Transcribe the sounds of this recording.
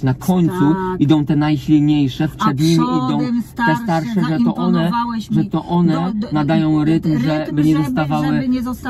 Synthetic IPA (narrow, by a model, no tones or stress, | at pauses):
nakʰɔɲt̪suid̪ɔ̃w̃t̪ɛnajɕʲilɲejʂɛfpʂɛd̪ɲimʲiʔid̪ɔ̃w̪̃t̪ɛst̪aɾʂɛʐɛt̪ɔʔɔnɛʐɛt̪ɔʔɔnɛnad̪ajɔ̃w̃ɾɘt̪mʐɛbɘɲɛzɔst̪avawɘ